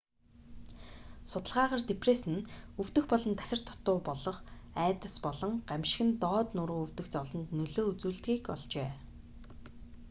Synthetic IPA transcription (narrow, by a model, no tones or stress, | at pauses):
sʊt̪ə̆ɮʁaːʁaːrt̪epʰresɘ̆nɵw̥t̪ɘ̆xpɔɮɞ̆nt̪ʰæ̥xʲɪ̆r̥t̪ʰʊ̥t̪ːʊːpɔɮɞ̆χæːt̪ə̆spɔɮɞ̆ŋɢamʃɪ̥̆xɘ̆nt̪ɔːt̪nʊɾuːɵw̥t̪ɘ̆xt͡sɔɮɞ̆nt̪nɵɮoːut͡suːɮt̪ɣiːkɔɮt͡ɕeː